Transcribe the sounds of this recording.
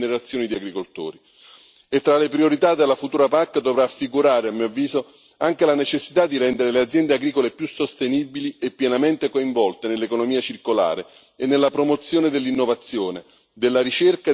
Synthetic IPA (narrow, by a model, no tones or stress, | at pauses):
neɾat̪sːjoːnid̪iaɡɾikolt̪o̰ːɾi | et̪ːɾalepɾioɾit̪ad̪elːafut̪uːɾapakːd̪ovɾafːiɡuɾaːɾeamːiːoavːiːzo | aŋk̟elanet͡ʃesːit̪ad̪ːiɾɛnd̪eɾelead̪zjɛnd̪eaɡɾiːkolepjusːost̪enibiliepːjɛnament̪ekoiɱvɔlt̪enelːekonomiːat͡ʃirkola̰ːɾe | enːelːapɾomot̪sːjoːned̪elːinːovat̪sːjoːne | d̪elːaɾit͡ʃerka